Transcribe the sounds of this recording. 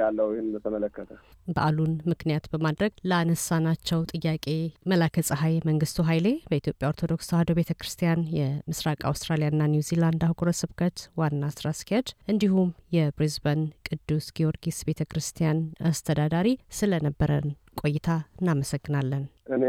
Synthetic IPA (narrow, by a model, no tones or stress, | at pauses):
alːəwhɪnbət̪ʰəmələkːət̪ʰəbə̰ʔalunmɨknijat̪bəmad̪ɾəɡləanəsanat͡ʃːɛwt̪ʼɨjːakʼe̞məlakʰəsʼəɦajməŋɡɨst̪ʰuɦajle̞bəit̪ʰjo̞pʼːjaoɾt̪ʰo̞d̪o̞ksahad̪oβe̞t̪ʰəkɾɨst̪ʰijanjɛmɨsɾakʼa̰wst̪ʼɾalijanːanjuziland̪ahɡoɾəsɨβkʰət̪wanːasɨɾaskihed̪ʔɨnd̪ihumjɛbɾizbənkʼɨd̪ːusɡ̥io̞ɾɡisbe̞t̪ʰəkʰɾɨst̪ʰijanast̪ʰəd̪ad̪aɾisɨlənəbːəɾə̰n | kʼo̞jːɪt̪ʰaɨnːaməsəɡːɨnalːənʔɨne